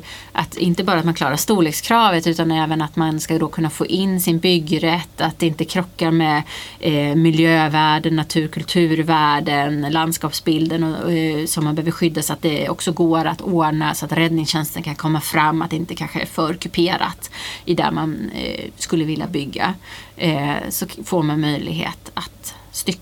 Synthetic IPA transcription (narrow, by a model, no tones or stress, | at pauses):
ʔa̰t̪ɪ̰nt̪əbɑːɾat̪manklɑːɾaʂt̪uːɭeːkskʰɾɑːvət̪ʉːt̪anɛːvənat̪manskad̪ɔkʰɵnːafo̰ːʔɪnːsɪnbʏɡɾɛt̪ːat̪̚d̪ɛɪnt̪əkʰɾɔkːaɾmɛ | mɪljøːvæːɖənːat̪ʰʉ̟ːɾkʰɵlt̪ʰʉ̟ːɾvæːɖənland̪skɑːpsbɪld̪ənɔsɔmːanbɛhøvəɾɧʏd̪ːasɔat̪̚d̪ɛɔksɔɡoːɾat̪oːɳasɔat̪ɾɛd̪nɪŋsɕɛnst̪ənkʰankʰɔmːafɾamːat̪̚d̪ɛɪnt̪əkʰanɧəæ̰ɾfœːɾkʰɵpʰeːɾa̰t̪ɪd̪æ̰ɾmanskɵlːəvɪlja̰bʏɡːa̰ | sɔfoɾmanmœjlɪ̰ɡɦḛːt̪at̪ | st̪ʏkː